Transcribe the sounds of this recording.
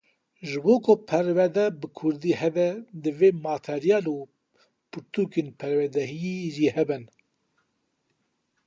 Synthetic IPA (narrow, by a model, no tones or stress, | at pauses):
ʒɨboːkʊpʰɛɾvɛd̪ɛbɨkʰʊɾd̪iːhɛbɛd̪ɨveːmaːt̪ʰeɾijɑːlu | puɾt̪ʰukeːnpʰɛɾwɛd̪ɛɦijeʒiːhɛbɨn